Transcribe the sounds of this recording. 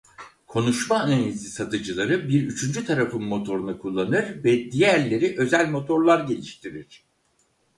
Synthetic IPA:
kʰo̞nuʃmaːnanʲizisat̪ʰɯd͡ʒɯlˠaɾɯbiɾyt͡ʃʰynd͡ʒyt̪ʰaɾafɯmːo̞t̪ʰo̞ɾunakʰulˠːanɯɾvɛd̪ijæɾlʲe̞ɾiʔø̞zælʲmo̞t̪ʰo̞ɾlˠaɾɟe̞lʲiʃt̪ʰiɾiɾ̝̥

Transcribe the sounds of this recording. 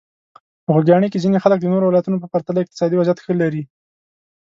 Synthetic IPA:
pəxəɡjɑɳekezinexalək̚d̪ənoɾowɪlɑjt̪unopəpaɾt̪alaɪq̚t̪ɪ̥sɑd̪iwazjat̪xəlaɾi

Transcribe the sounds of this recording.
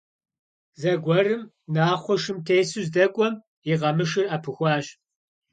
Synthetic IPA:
zɐɡʷɔrɨm | naːχʷɔʃɨmtʰeːsuzdɐkʷʼɔm | jiʁɐmɨʂɨrapʰɨxʷɑːɕ

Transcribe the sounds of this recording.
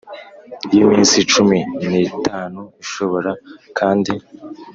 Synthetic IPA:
jimiːnsit͡ʃuminitaːnuiʃo̞βo̞ɾakʰaːndi

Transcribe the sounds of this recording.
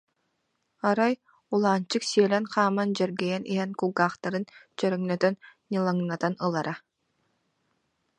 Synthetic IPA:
aɾaj | ulˠaːnt͡ɕɯksiɛlɛnχaːmand͡ʑɛɾɡɛjɛnʔḭɦɛnkuɡaːχt̪aɾɯnt͡ɕœɾœŋnœt̪œnː | ilˠaŋnat̪anɯlˠaɾa

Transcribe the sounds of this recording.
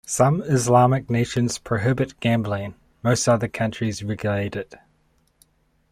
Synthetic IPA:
sʌ̃mɪzlɑmɪk̚neɪʃə̃nz̥pʰɹ̥əɦɪbɨt̚ɡ̥æ̃mblɪ̃n | məʊstʌðəkʰʌ̃nt͡ʃɹ̥izɹɛɡjleɪɾɪt

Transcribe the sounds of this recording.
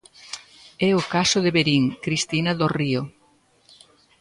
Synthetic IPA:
ɛʊkasʊðeβeɾiŋkɾist̪inɐðorio

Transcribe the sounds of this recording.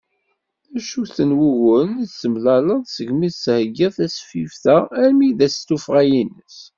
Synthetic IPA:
æʃuθənwuɣʊniθsəmlæləðˤsəʝmishəɡiθæsfifθææɾmiðæst̪ufʁæjinːəs

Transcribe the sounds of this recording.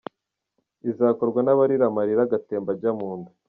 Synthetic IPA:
izaːko̞ɾɡwanaβaɾiɾamaɾiɾaɡate̞ːmbaɟamuːndu

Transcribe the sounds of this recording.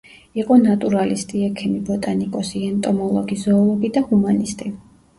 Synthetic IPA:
iqʼɔnat̪ʼuɾalist̪ʼiɛkʰimibɔt̪ʼanikʼɔsiɛnt̪ʼɔmɔlˠɔɡizɔːlˠɔɡid̪ahumanist̪ʼi

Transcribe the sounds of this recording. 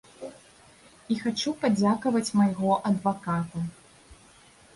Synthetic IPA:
ixat͡ʂupad͡zʲakɐvɐt͡sʲmajɣɔʔɐd̪vakat̪ɐ

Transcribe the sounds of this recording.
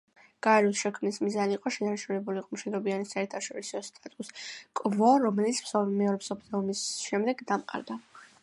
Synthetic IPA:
ɡ̥aɛɾusʃɛkʰmnismizaniiqʼɔʃɛnaɾʃʰunɛbuliqʼɔmʃid̪ɾɔbianisaɛɾt̪ʰaʃɔɾisɔst̪ʼat̪ʼuskʼvɔɾɔmɛlit̪sʰmsɔmɛɔɾɛpsɔpʰlɛumisʃɛmd̪ɛɡd̪amqʼa̰ɾd̪a

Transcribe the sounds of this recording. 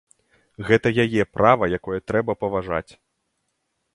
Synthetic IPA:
ɣɛt̪ɐjajɛpɾʔavɐjakɔjɐt̪ɾɛbɐpɐvaʐa̰t͡sʲ

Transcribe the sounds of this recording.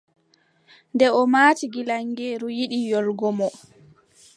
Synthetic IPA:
ndɛɔmaːtiɡilaŋɡeːɾujiɗijɔlɡɔmɔ

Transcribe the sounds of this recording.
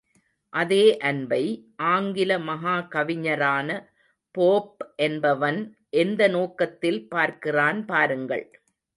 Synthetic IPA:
ʔɐðeːʔɐnbɐɪʔaːŋɡɪlɐmɐɦaːkɐʋɪɲɐɾaːnɐ | poːp̚ʔɛnbɐʋɐn | ʔɛnd̪ɐnoːkɐt̪ːɪlpaːɾkɪraːnpaːɾɯŋɡɐ̰ɭ

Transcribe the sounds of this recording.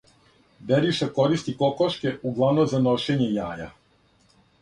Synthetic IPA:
d̪eɾiʃako̞ɾist̪iko̞koʃke̞uɡlˠaʋnomzano̞ʃeɲe̞jaːja̰

